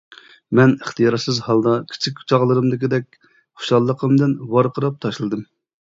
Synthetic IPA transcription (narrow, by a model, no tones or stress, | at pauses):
mɛnəχt̪ʰijɑɾsɨzhɑlˠd̪ɑkʲʰi̥t͡ʃʰikʲu̥t͡ʃʰɑʁlˠɨɾɨmd̪ɪkʲid̪ɛk̚ʲ | χʊ̥ʃɑlˠːəqʰəmd̪ɨnwɑɾqʰəɾɑp̚t̪ʰɑʃlˠɨd̪ɨm